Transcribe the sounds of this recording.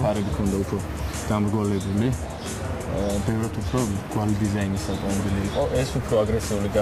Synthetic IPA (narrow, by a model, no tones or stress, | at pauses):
aɾɛbikʰɔnd̪aupʰɾɔ | ɡ̪̥amɾɡɔlɛbuli | bɛvɾat̪ʰupʰɾɔɡ̥walid̪izainisakʼɔnb̪ilikʼɔʔɛsupʰɾɔaɡɾɛsiuliɡa